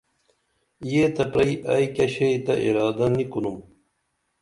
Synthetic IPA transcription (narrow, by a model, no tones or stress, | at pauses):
jeːt̪ɐpɾɐiʔajkɐɕeit̪ɐʔḭɾɑːd̪ɐnikunum